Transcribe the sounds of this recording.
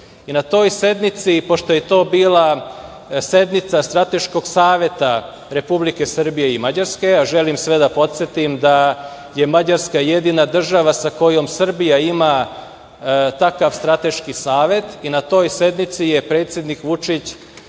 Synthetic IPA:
inat̪o̞ːjse̞d̪nit̪sipo̞ʃt̪ojet̪o̞ːbiːla | se̞d̪nit̪sast̪ɾat̪e̞ʃko̞ɡsaːʋje̞t̪a | ɾe̞publike̞sr̩bije̞imad͡ʑaɾske̞aʒelimsʋe̞d̪apo̞t̪sʲjet̪imd̪a | je̞mad͡ʑaɾskajed̪inad̪r̩ʒaʋasako̞jo̞msr̩bijaima | t̪akaʋst̪ɾat̪e̞ʃkisaːʋe̞t̪inat̪o̞ːjse̞d̪nit̪sije̞pɾe̞ːt̪sje̞d̪nikʋut͡ʃit͡ɕ

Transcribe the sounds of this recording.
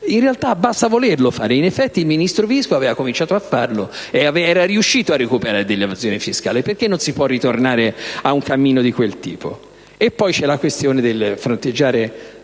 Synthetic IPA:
inrealt̪abast̪avolerlofaːɾeinefːɛt̪ːiilminist̪ɾoviskoavɛːvakomint͡ʃaːt̪oafːarloeavɛɛːɾaɾiuʃːiːt̪oarːekupeɾaɾed̪elːevazjoːnifiska̰ːleperk̟enːonsipwɔrːit̪ornaːɾeauŋkamːiːnod̪ikwelt̪ḭːpʰo̰ | epːɔjt͡ʃɛlːakwest̪joːned̪elfɾont̪ed͡ʒːaːɾe

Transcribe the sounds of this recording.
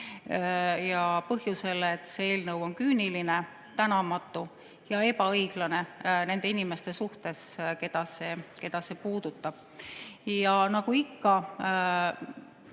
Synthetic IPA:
jɑpɤɦjuse̞let̪ːˑsee̞ːlnɤwo̞nkyːniline̞ | t̪ænɑmɑt̪ːˑu | jɑe̞bɑɤjɡ̥lɑne̞ne̞nd̪e̞inime̞st̪e̞suht̪e̞ske̞d̪̥ɑse̞ːke̞d̪̥ɑse̞puːd̪̥ut̪ːˑɑb̥ | jɑnɑɡ̥uikːɑ

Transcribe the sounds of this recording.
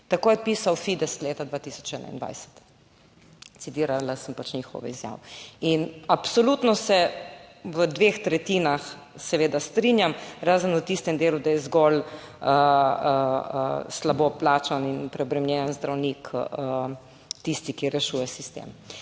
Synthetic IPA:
t̪akoːjɛpiːsawfid̪ɛst̪leːt̪ad̪ʋaːt̪isɔ̥t͡ʃɛnʔa̰ind̪ʋa̰jsə̥t̪ | t̪sit̪iːɾalasəmpat͡ʃɲixo̰ːʋɛ̰izja̰ʋɛinapsolut̪nɔsɛ | ʋəd̪ʋeːxt̪ɾɛt̪iːnax | sɛʋeːd̪ast̪ɾinjamɾaːzənət̪ist̪ɛmd̪eːlud̪ajɛzɡɔl | əəə̰slaboplaːt͡ʃaninpɾɛɔbɾɛmlʲjɛnanzd̪ɾawnikə | t̪ist̪ikiɾɛʃuːjɛsist̪ḛm

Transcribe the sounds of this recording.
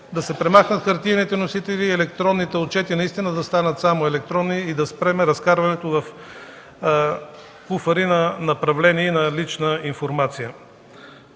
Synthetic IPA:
d̪ɐsɛpɾɛmaxnət̪kɐɾt̪init̪ɛnosit̪ɛliɛlɛk̚t̪ɾɔnːit̪ɛot̪̚t͡ʃɛt̪inɐist̪inəd̪ɐst̪anət̪samoɛlɛk̚t̪ɾɔnːiːd̪ɐspɾɛmɛɾɐskaɾvɐnɛt̪ovɐf | kufəɾinɐnɐpɾɐvlɛniɛnɐlit͡ʃnəinfoɾmat̪sijə

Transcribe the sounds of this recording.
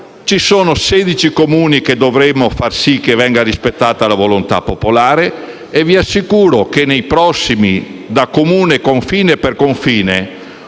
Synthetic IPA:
t͡ʃisoːnoseːd̪it͡ʃikomuːniked̪ovɾemːofarsik̟ːevɛŋɡarispet̪ːaːt̪alavolont̪a̰pːopolaːɾeː | viasːikuːɾok̟enejpɾɔsːimid̪akːomuːnekoɱfiːneperkoɱfiːne

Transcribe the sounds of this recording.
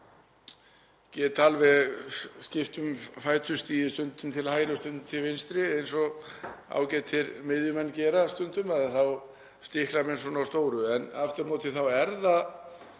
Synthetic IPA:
cɛːt̪alvɛɣscɪft̪ʏmfaːjt̪ʰʏst̪iːðɪst̪ʏnt̪ʏmt̪ʰɪlhaːjɾast̪ʏnt̪ʰːɪlvɪnst̪ɾɪejnsɔa̰wcɛːt̪ʰːɪɾmɪðjʏmɛnːcɛːɾast̪ʏnt̪ʏmaðθaw | st̪ɪhklamɛnsɔːnawst̪oːwɾʏɛnaft̪aɾnoːt̪ʰɪθawɛɾða

